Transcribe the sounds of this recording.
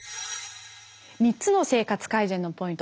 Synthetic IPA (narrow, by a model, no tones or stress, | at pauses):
mʲitt͡sɨno̞se̞ːkat͡sɨ̥kaizẽnːo̞po̞ĩnt̪